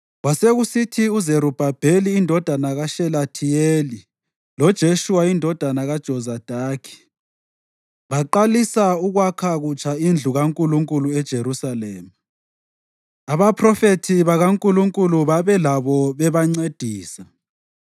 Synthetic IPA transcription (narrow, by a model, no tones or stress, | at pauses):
ɣwaseɣusitʰiuzeɾub̥ʱab̥ʱeliːndʱɔd̥ʱanaɣaʃɛlatʰijeːli | lɔd̥ʒ̥ʱeʃuwaindʱɔd̥ʱanaɣad̥ʒ̥ʱɔzad̥ʱaːkʰi̥ | βaǃalisauɣwakʰaɣut͡ʃʰʼaind͡ɮʱuɣaŋkʼuluŋkʼuluɛd̥ʒ̥ʱeɾusaleːma | aβapʰrɔfetʰiβaɣaŋkʼuluŋkʼuluβaβɛlaβɔβɛβaŋ͡ǀed̥ʱiːsa